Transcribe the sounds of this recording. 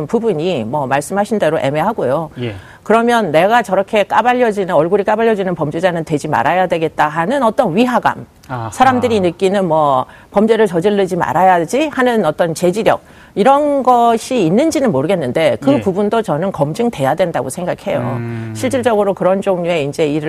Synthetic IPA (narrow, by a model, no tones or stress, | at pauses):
npubuɲimʌmaɭs͈ɯmɦaɕʰinde̞ɾoʔe̞̰me̞ɦaɡojo | kɯɾʌmjʌnːe̞ɡat͡ɕʌɾʌkʰe̞k͈abaʎːʌd͡ʑinɯʌɭɡuɾik͈abaʎːjʌd͡ʑinɯnpʌmd͡ʑed͡ʑanɯntwe̞d͡ʑima̰ɾajadwe̞ɡe̞t̚t͈aɦanɯnʌt͈ʌnɥiɦaɡa̰m | sʰaɾamdɯɾinɯk͈inɯnmwʌ | pʌmd͡ʑeɾɯɭt͡ɕʌd͡ʑiɭːɯd͡ʑima̰ɾajad͡ʑihanɯnʌt͈ʌnt͡ɕe̞d͡ʑiɾjʌk̚ | iɾʌnɡʌɕʰiːnːɯnd͡ʑinɯnmoɾɯɡe̞nːɯnde̞kɯpubundot͡ɕʌnɯnkʌmd͡ʑɯŋte̞jadwe̞ndaɡosʰe̞ŋɡakʰe̞jo̰ɕʰiɭt͡ɕ͈iɭt͡ɕ͈ʌɡɯɾokɯɾʌnd͡ʑoŋɲue̞ind͡ʑe̞iɾɯ